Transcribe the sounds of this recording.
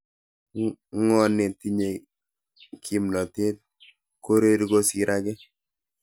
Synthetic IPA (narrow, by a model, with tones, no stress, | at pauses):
ŋɔ˦ne˨ti˦ɲe˨ | kʰi˦mlɔ˨te˦t̚ | ko˦ɾe˦ɾi˦ko˦si˨ɾʔa˦kɛ˦